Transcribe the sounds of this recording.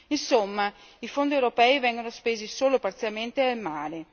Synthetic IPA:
insomːaifond̪iewɾopɛːivɛŋɡonospeːzisoːlopaɾt̪sjalment̪eelmaːɾe

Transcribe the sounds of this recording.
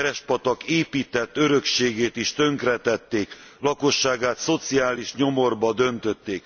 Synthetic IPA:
ɾɛʃpɒt̪ɒkeːpiːt̪ɛt̪ːø̞ɾø̞kʃeːɡeːt̪iʃt̪ø̞ŋkrɛt̪ɛt̪ːeːk | lɒkoʃːaːɡaːt̪so̞t̪siaːliʃɲo̞mo̞rbɒd̪ø̞nt̪ø̞t̪ːeːk

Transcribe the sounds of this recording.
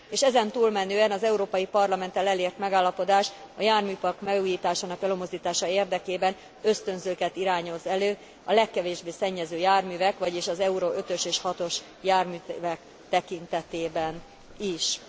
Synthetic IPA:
eːʃɛzɛnt̪uːlmɛnøːɛnɒzɛuɾoːpɒjipɒrlɒmɛnt̪ɛlɛleːrt̪mɛɡaːlːɒpo̞d̪aːʃɒjaːrmyːpɒrkmɛɡuːjiːt̪aːʃaːnɒkɛlømo̞zd̪iːt̪aːʃɒeːrd̪ɛkeːbɛn | ø̞st̪ø̞nzøːkɛt̪iɾaːɲo̞zɛløː | ɒlɛkːɛveːʒbeːsɛɲːɛzøːjaːrmyːvɛkʋɒɟiːʃɒzɛuɾoʔø̞t̪ø̞ʃeːʃhɒt̪o̞ʃ | jaːrmyːvɛk | t̪ɛkint̪ɛt̪eːbɛn | iʃ

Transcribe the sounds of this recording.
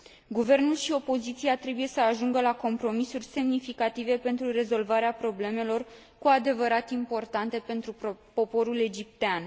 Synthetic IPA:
ɡuve̞rnulʃio̞po̞zit̪siat̪ɾe̞buje̞səaʒuŋɡəlako̞mpɾo̞misurʲse̞mnifikat̪ive̞pe̞nt̪ɾuɾe̞zo̞lvaɾeapɾo̞ble̞me̞lo̞r | kuad̪e̞vəɾat̪impo̞rt̪ant̪e̞pe̞nt̪ɾupo̞po̞ɾule̞d͡ʒip̚t̪ean

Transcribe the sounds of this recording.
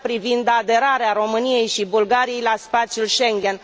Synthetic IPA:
pɾivind̪ad̪e̞ɾaɾeaɾo̞mɨnije̞jʃibulɡaɾije̞jlaspat̪sjulʃe̞ŋɡʲe̞n

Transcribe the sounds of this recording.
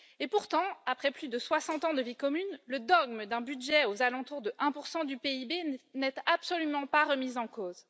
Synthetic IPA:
epuʁt̪ɑ̃apχɛplyd̪əswasɑ̃t̪ɑ̃d̪əvikɔmynləd̪ɔɡməd̪ɛ̃byd̪ʒɛozalɑ̃t̪uʁd̪əʔɛ̃puʁsɑ̃d̪ypeibenɛt̪apsɔlymɑ̃paʁəmizɑ̃koːz

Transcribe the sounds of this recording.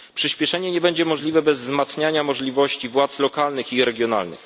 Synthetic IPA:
pʂɘɕpʲjɛʂɛɲɛɲɛbɛɲd͡ʑɛmɔʐlʲivɛbɛzːmat̪sɲaɲamɔʐlʲivɔɕt͡ɕivwat̪slɔkalnɘxiɾɛɡʲjɔna̰lnɘ̰x

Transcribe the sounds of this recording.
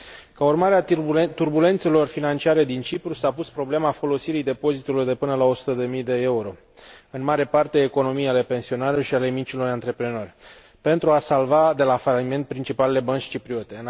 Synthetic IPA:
kaurmaɾeat̪urbule̞nt̪se̞lo̞rfinant͡ʃiaɾe̞d̪int͡ʃipɾusapuspɾo̞ble̞mafo̞lo̞siɾid̪e̞po̞zit̪ulord̪e̞pɨnəlao̞su̥t̪əd̪e̞mijd̪e̞e̞uɾo̞ | ɨnmaɾe̞part̪eːko̞no̞mijale̞pe̞nsio̞naleʃiale̞mit͡ʃilo̞rant̪ɾe̞pɾe̞no̞rʲ | pe̞nt̪ɾuasalvad̪e̞lafalime̞nt̪̚pɾint͡ʃipalele̞bənt͡ʃʲt͡ʃipɾio̞t̪e̞ɨn

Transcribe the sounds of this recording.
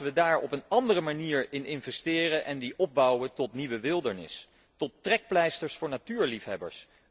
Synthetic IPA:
ʋədaːɹɔ̰pənɑndərəmaniːɹɪnɪnvɛstɪːrəʔɛndiʔɔb̚bɑwətɔtniʋəʋɪlˠdəɹnɪ̰s | tɔtːrɛk̚plɛjstəɹsfʊːɹnatyːɹlifɦɛbə̰ɹs

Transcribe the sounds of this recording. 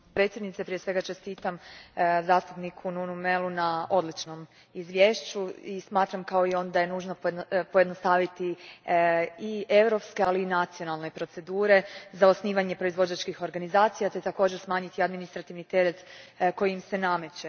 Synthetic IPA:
pɾet̪sjd̪nit̪sepɾije̞sʋe̞ɡat͡ʃe̞st̪iːt̪amzaːst̪upnikʰununumelunao̞d̪lit͡ʃno̞m | izʋje̞ːʃt͡ɕuismaːt̪ɾamkao̞io̞nd̪ajenuːʒnopo̞je̞d̪nost̪aːʋit̪i | ie̞ʋɾo̞pske̞aliːnat̪sio̞nalˠne̞pɾo̞t̪se̞d̪uːɾe̞zao̞sniːʋaɲe̞pɾo̞izʋo̞d͡ʑat͡ʃkixo̞ɾɡanizaːt̪sijat̪e̞t̪ako̞ːd͡ʑeɾsmaːɲit̪iad̪minist̪ɾat̪iʋnit̪e̞ɾe̞t̪ko̞jiimse̞name̞t͡ɕe

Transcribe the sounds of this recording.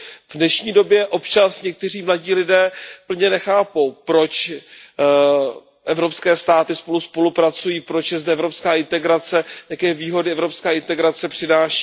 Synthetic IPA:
vnɛʃɲiːdo̞bjɛʔo̞pt͡ʃasɲɛk̚t̪ɛr̝iːmlaɟiːlɪdɛːpl̩ɲɛnɛxaːpo̞wpɾo̞t͡ʃ | ʔɛvɾo̞pskɛːst̪aːt̪ɪspo̞luspo̞lupɾat͡sujiːpɾot͡ʃjɛzdɛɛvɾo̞pskaːɪnt̪ɛɡɾat͡sɛjakɛːviːɦo̞dɪɛvɾopskaːɪnt̪ɛɡɾat͡sɛpr̥ɪnaːʃi̥

